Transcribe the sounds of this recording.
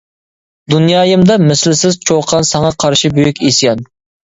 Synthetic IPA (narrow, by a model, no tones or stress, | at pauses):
d̪unjɑːjɨmd̪ɑmɪslɪsɪzt͡ʃʰoqʰɑnsɑŋɑqʰɑɾʃibøjykʲesjɛn